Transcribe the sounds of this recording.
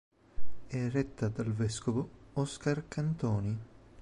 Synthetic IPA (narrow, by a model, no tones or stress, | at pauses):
ɛrɛt̪ːad̪alvɛskovoɔskarkant̪ɔːni